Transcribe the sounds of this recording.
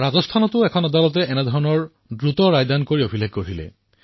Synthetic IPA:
ɹazɔst̪ʰanɔt̪ʊɛkʰɔnad̪alɔt̪eʔɛnɛd̪ʱɔɹɔnɔɹ | dɹut̪ɔɹajd̪ankoɹiobʱileɡ̚koɹilḛ

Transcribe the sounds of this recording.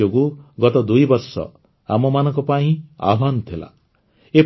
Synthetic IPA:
oɡuɡɔt̪ɔd̪ujbɔɾsɔ̰ | a̰mɔmanɔ̃ŋkɔpaĩa̰bʱanɔt̪ʰila̰ | e

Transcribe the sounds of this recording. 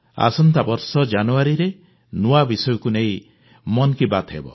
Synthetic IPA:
a̰sɔnt̪abɔɾsɔd͡ʒanuaɾiɾe | nuabisɔjɔkunej̃ | mɔnɔkibat̪ɦḛbɔ̰

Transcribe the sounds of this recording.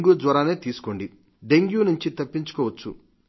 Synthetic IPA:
ŋɡjuːdʋɐɾaːneːt̪iːsu̥ko̞ɳɖi | ɖe̞ŋɡjuːnuɲt͡ʃit̪ɐpːiɲt͡ʃu̥kɔːʋɐt͡ʃːu

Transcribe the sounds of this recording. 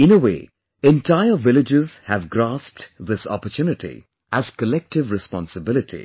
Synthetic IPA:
ɪ̃nəwḛː | ɛ̃ntʰaɪəvɪlɪd͡ʒɪzhævɡɾasp̚ʈd̪ɪsɔ̰pəɾtʰjunɪʈḭ | æz̥kəlɛk̚ʈɪvɾɨspɔ̰̃nsɨbɪlɪtʰḭ

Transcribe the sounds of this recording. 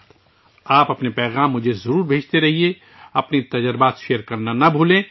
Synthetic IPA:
aːpɐpnepɛːɣaːmːʊd͡ʒʱezɐɾuːɾbʱeːt͡ʃt̪eɾɐɦie | ɐpnit̪ɐd͡ʒəɾbaːt̪ʃejəɾkɐɾnanɐbʱuːlẽː

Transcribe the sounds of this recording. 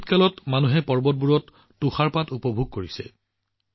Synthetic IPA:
t̚kalɔtmanuɦɛpɔɹbɔt̚buɹɔtː | uxaɹpatupɔbʱuɡ̚koɹisɛ

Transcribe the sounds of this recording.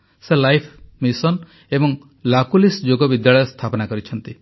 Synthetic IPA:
selajpʰmisɔn | ebɔŋ | lakulisd͡ʒoɡɔbid̪jaɭɔjɔst̪ʰapɔnakɔɾit͡ʃʰɔnt̪i

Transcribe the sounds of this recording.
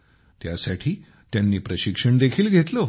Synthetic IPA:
t̪jasaʈʰiː | t̪janːiːpɾəɕikʂəɳd̪ekʰiːlɡʱet̪lo

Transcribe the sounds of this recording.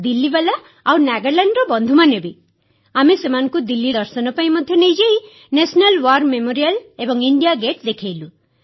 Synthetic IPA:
d̪ilːibelaː | wnaɡeɾlaɳɖɾɔbɔnd̪ʱumanebi | amesemanɔ̃ŋkud̪ilːid̪ɔɾsɔnɔpaĩmɔd̪ʱjɔnejd͡ʒei | nesɔnalwaɾmemoɾialebɔŋiɳɖijaɡeʈd̪ekʰejlu

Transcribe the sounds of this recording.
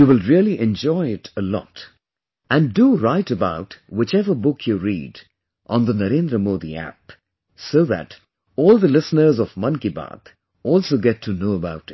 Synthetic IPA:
juwɪlˠɹiəlˠiʔɛ̃nd͡ʒɔɪɪtəlɔ̰t | ʔæ̃nduɹaɪtəbaʊtwɪt͡ʃɛvəbʊkʰjuɹḭːd | ʔə̃nðənəɾẽnd̪ɾəmoːd̪ḭæ̰p | soʊðæ̰t | ɔːlˠd̪əlɪsnə˞zɔvmʌ̃nkibɑ̰t̪ | ɔlˠsoɡɛtʰːɨnoʊəbaʊt

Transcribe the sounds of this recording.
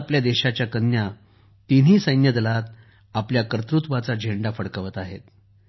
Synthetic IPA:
pljad̪eɕat͡ɕjakənːja | t̪in̤iːsəjnjəd̪əlat̪̚ | apljakɾət̪ɾut̪ʋat͡sad͡ʑʱeɳɖafəɽkəʋət̪aɦḛt̪̚

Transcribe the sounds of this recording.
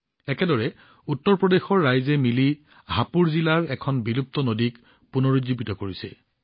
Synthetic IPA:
ɛkɛdɔɹɛ | utːɔɹpɹɔdexɔɹːajzɛmili | ɦapuɹzilaɹɛkʰɔnbilup̚tɔnodik | punoɹizibitɔkoɹisɛ

